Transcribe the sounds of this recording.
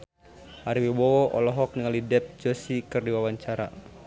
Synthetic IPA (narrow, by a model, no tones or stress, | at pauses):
ʔaɾiwibɔwɔʔɔ̰lɔɦɔk̚niŋalidɛp̚d͡ʒosikɨrdiwawaɲt͡ʃaɾa̰